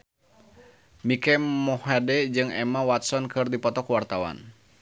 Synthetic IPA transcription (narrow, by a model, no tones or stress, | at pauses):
mikɛmɔhadɛd͡ʒɨŋɛ̰mawat̪sɔnkɨrdipɔt̪ɔkwart̪awa̰n